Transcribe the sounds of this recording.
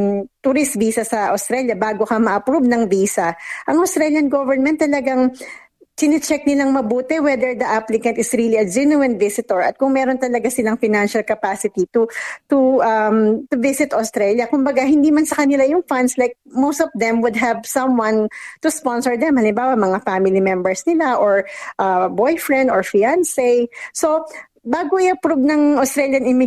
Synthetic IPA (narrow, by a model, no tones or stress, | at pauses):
t̪uɾɪst̪̚biːsɐsɐʔɐʊst̪ɾɛljɐbaːɡokɐmɐʔɐpɹubnɐŋbiːsɐʔɐŋʔɐʊst̪ɾɛljɐnɡovɛɹnmɛ̃nt̪ːɐlɐɡaŋ | t̪ɪnɛt͡ʃɛk̚nɪlaŋmɐbuːt̪ɛwɛd̪ɛɹd̪ɐʔaplɪkɐnt̪ɪsɹiliɐd͡ʒɛnuɛnt̪vɪsɪt̪ɔɹɐt̪̚kʊŋmɛːɾont̪ɐlɐɡasɪlaŋfɪnanʃɐlkɐpasɪt̪it̪ut̪ʊʔɐmt̪ʊvɪsɪt̪ɐst̪ɾɛljɐkʊmbɐɡaɦɪnd̪iːmɐnsɐkɐnɪlajʊŋfanslajk̚mowst̪ɔvd̪ɛ̃mwʊd̪̚ɦɛvsɐ̃mwɐnt̪ʊspɔ̃nsɔɹd̪ɛmhɐlɪmbaːwɐmɐŋafamɪlimɛ̃mbɛɹsnɪlaʔoɹʔɐbojfɹɛ̃nd̪oɹfiansɛjso | baːɡoʔɪjɐpɾob̚nɐŋʔɐʊst̪ɾɛljɐnɪmɪ